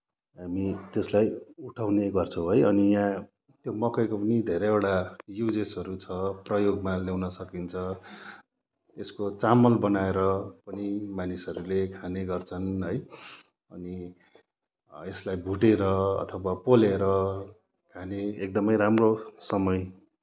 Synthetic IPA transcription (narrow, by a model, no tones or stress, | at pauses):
ɦamit̪eslajuʈʰawneɡʌrt͡sʰʌ̃w̃ɦʌjʌnijã | t̪jomʌkʌjkopʌnid̪ʱeɾejoɽajud͡zesʌɾut͡sʰʌprʌjoɡmalewnʌsʌkint͡sʰʌ | t̪eskot͡samʌlbʌnaeɾʌpʌnimanisʌɾulekʰaneɡʌrt͡sʰʌnɦʌj | ʌni | eslajbʱuʈeɾʌʌ̰t̪ʰʌwapoleɾʌ | kʰaneek̚d̪ʌmʌjɾamrosʌmʌj